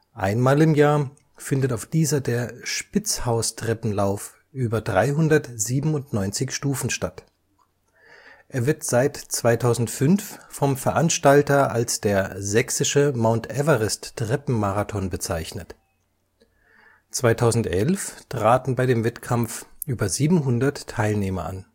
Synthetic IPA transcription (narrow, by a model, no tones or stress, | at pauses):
ʔaɪnmaːlɪmjaːɐ | fɪndətaʊfd̥iːzɐdeːɐʃpɪt͡shaʊstʁ̥ɛpm̩laʊf | ʔyːbɐdʁaɪɦʊndɐtz̥iːbm̩ʊntnɔʏnt͡sɪçʃtuːfn̩ʃtat | ʔeːɐvɪɐtz̥aɪtt͡sv̥aɪtʰaʊzn̩tfʏnffɔmfɛɐʔanʃtaltɐʔalsd̥eːɐzɛksɪʃəmaʊntʔɛvəʁɪsttʁ̥ɛpm̩maʁatʰɔnbət͡saɪçnət | t͡sv̥aɪtʰaʊzn̩tʔɛlftʁ̥aːtn̩baɪdeːmvɛtkʰamfʔyːbɐziːbm̩ɦʊndɐtʰːaɪlneːmɐʔa̰n